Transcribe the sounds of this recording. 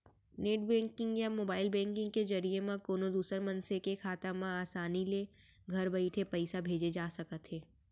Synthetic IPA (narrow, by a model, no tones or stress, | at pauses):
neːʈbɛ̃ːŋkɪ̃ŋɡjamoːbaːɪlbɛ̃ːŋkɪ̃ŋɡkezɐɾijemãkoːnod̪uːsəɾmɐ̃nsekekʰaːt̪amãaːsaːnile | ɡʱɐɾbɐɪʈʰepɐɪsabʱeːd͡ʒed͡ʒaːsɐkət̪ɦeː